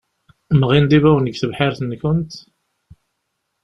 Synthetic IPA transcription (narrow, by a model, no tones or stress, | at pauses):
mʁind̪ivæwənəɡθəvħɪɾθənçʊnt̪